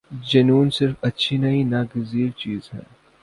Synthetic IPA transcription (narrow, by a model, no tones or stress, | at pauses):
d͡ʒɐnuːnsɪɾfɐtːʃʰinɐinaːɡɪziːɾt͡ʃiːzɦɛ̰̃ː